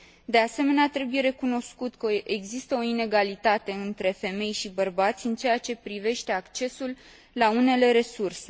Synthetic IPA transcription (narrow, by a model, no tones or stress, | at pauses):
d̪e̞ase̞me̞neat̪ɾe̞buje̞ɾe̞kuno̞skut̪kəʔeɡzist̪əo̞ine̞ɡalit̪at̪e̞ɨnt̪ɾe̞fe̞me̞jʃibərbat̪sʲɨnt͡ʃe̞jat͡ʃe̞pɾive̞ʃt̪e̞akt͡ʃe̞sulː | aune̞le̞ɾe̞surse̞